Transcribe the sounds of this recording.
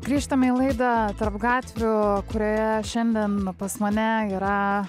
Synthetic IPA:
ɡ̥ɾʲiːʃt̪ɐmʲilˠɐɪd̪ɑt̪ɐɾpɡɑːt̪ʲʋʲʊkʊɾʲoːjɛʃʲɛnʲd̪ʲiɛnpɐsmɐnʲɛiːɾɐ

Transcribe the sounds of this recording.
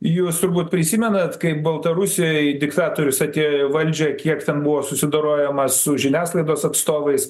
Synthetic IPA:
juːst̪ʊɾbuːt̪pʲɾʲɪsʲiːmʲɛnɐt̪kɐɪp̚bɐlˠt̪ɐɾʊsʲɪjojd̪ʲɪkt̪ɑːt̪oːɾʲʊsɐt̪ʲeːʋɐlʲd͡ʒʲɛkʲiɛkt̪ʲɛnbʊʋoːsʊsʲɪd̪oːɾoːjɛmɐssʊʒʲɪnʲæːslˠɐɪd̪oːsɐt̪st̪oːʋɐɪs

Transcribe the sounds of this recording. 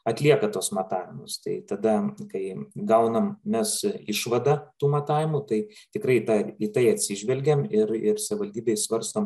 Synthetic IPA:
ɐt̪ʲlʲiɛkɐt̪oːsmɐt̪ɑːʋʲɪmʊst̪ɐɪt̪ɐd̪ɐkɐɪɡɐʊnɐmmʲɛsɪʃʋɐd̪ɐt̪uːmɐt̪ɑːʋʲɪmut̪ɐɪt̪ʲɪkrɐɪt̪ɐit̪ɐɪɐt̪ʲsʲɪʒʲʋʲɛlʲɡʲɛmɪɾɪrsɐʋʲʋɐlʲd̪ʲiːbʲɛɪsʋɐɾst̪oːm

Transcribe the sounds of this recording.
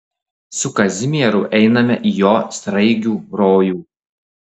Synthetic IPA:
sʊkɐzʲɪmʲɛɾʊʔɛɪnɐmʲɛʔijoːst̪ɾɐɪɡʲuːɾoːjuː

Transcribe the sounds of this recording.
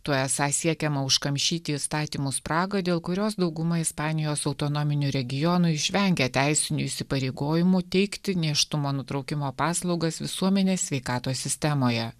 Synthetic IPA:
t̪uɔɛsɑsʲiɛkʲɛmɐʊʃkɐmʲʃʲiːt̪ʲɪɪst̪ɑːt̪ʲiːmʊspɾɑːɡɐd̪ʲeːlˠkʊɾʲoːsd̪ɒʊɡʊmɐɪspɑːnʲɪjoːsɒʊt̪ɔnomʲɪnʲuɾʲɛɡʲɪjɔnʊɪʃʲʋʲɛŋʲɡʲɛt̪ʲɛɪsʲɪnʲuɪʃʲsʲɪpɐɾʲeɪɡoːjɪmʊt̪ʲɛɪkt̪ʲɪnʲeːʃt̪ʊmoːnʊt̪ɾɒʊkʲɪmoːpɑːslˠɒʊɡɐsʋʲɪsuɔmʲɛnʲeːsʲʋʲɛɪkɑːt̪oːsʲɪsʲt̪ʲɛmoːjɛ

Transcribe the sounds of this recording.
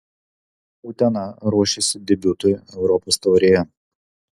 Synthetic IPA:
uːt̪ʲɛnɑɾuɔʃʲisʲɪd̪ʲɛbʲʊt̪ʊɛʊɾɔpɔst̪ɐɾʲejɛ

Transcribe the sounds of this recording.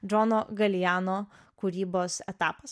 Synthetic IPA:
d͡ʒɔnoːɡɐlʲjæːnoː | kʊɾʲiːboːsɛt̪ɑːpɐs

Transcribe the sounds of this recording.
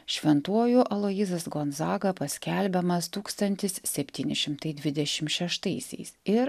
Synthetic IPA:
ʃʲʋʲɛnt̪uɔjuʔɐlˠoːjizɐsɡonzɑːɡɐpɐsʲkʲɛlʲbʲɛmɐst̪uːkst̪ɐnʲt̪ʲɪssʲɛpʲt̪ʲiːnʲɪʃʲɪmt̪ɐɪd̪ʲʋʲɪd̪ʲɛʃʲɪmʃʲɛʃt̪ɐɪsʲɛ̰ɪsɪɾ

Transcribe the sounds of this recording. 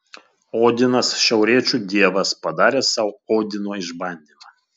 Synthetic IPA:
oːd̪ʲɪnɐsʃʲɛʊɾʲiɛt͡ʃʲuːˑd̪ʲiɛʋɐspɐd̪ɑːɾʲeːsɑʊoːd̪ʲɪnoːɪʒbɐnʲd̪ʲiːmɐ

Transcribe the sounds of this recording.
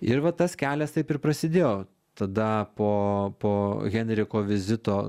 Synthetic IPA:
ɪɾʋɐt̪ɐskʲæːlʲɛst̪ɐɪpɪrpɾɐsʲɪd̪ʲeːjoː | t̪ɐd̪ɐpoːpoːɣʲɛnʲɾʲɪkoːʋʲɪzʲɪt̪oː

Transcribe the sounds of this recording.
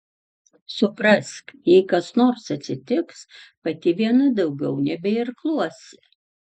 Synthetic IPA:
sʊpɾɐskjɛɪkɐsnoːɾsɐt̪ʲsʲɪt̪ʲɪkspɐt̪ʲɪʋʲiɛnɐd̪ɐʊɡʲɛʊnʲɛbʲɛɪɾklˠuɔsʲɪ

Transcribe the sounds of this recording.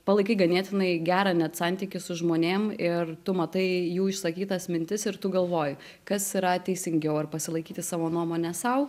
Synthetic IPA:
pɐlˠɐɪkɐɪɡɐnʲeɛt̪ʲɪnɐɪɡʲæːɾɑːnʲɛt̪sɑnʲt̪ʲikʲɪsʊʒmoːnʲeːmɪrt̪ʊmɐt̪ɐɪjuːɪʃsɐkʲiːt̪ɐsmʲɪnʲt̪ʲɪsɪɾt̪ʊɡɐlˠʋoːjʊ | kɐsiɾɐt̪ʲɛɪsʲɪŋʲɡʲɛʊɐrpɐsʲɪlˠɐɪkʲiːt̪ʲɪsɑːʋoːnuɔmoːnʲɛsɐʊ

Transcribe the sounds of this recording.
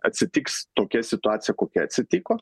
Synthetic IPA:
ɐ̰t̪ʲsʲɪt̪ʲiːkst̪oːkʲɛsʲɪt̪ʊɑːt̪sʲɪjɛkoːkʲɛɐ̰t̪ʲsʲɪt̪ʲiːkoː

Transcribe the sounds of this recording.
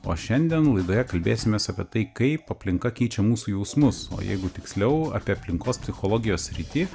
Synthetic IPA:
o̰ːʃʲɛnʲd̪ʲɛnlˠɐɪd̪oːjɛkɐlʲbʲeːsʲɪmʲeːsɐpʲiɛt̪ɐɪkɐɪpɐpʲlʲɪŋkɐkʲɛɪt͡ʃʲɛmuːsuːjɛʊsmʊso̰ːjɛ̰ɪɡʊt̪ʲɪksʲlʲɛʊɐ̰ːpʲiɛɐpʲlʲɪŋkoːspʲsʲɪxoːlˠoːɡʲɪjoːssʲɾʲɪt̪ʲiː

